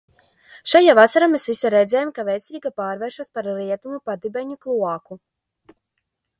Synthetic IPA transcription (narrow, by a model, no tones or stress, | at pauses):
ʃajavasaɾamesvisaɾɛd̪zʲɛːjumkavɛjt̪sʲiːɡapaːɾvɛːɾʃuɔspaɾliɛt̪umupad̪ibɛɲuklˠuaku